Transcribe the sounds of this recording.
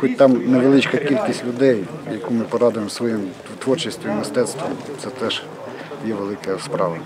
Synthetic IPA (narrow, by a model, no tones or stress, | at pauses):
xɔt̚ʲt̪ɑmneʋelˠɪt͡ʃkɐkʲilʲkʲisʲtʲlʲʊd̪ɛjjɐkumɪpɔɾɑd̪ʊjemsʋɔjim | t̪ʋɔrt͡ʃɪsʲt̪ʲʋʲimɪst̪ɛt̪st̪ʋɔmt̪sɛt̪ɛʒ | jɛʋelˠɪkɐspɾɑʋɐ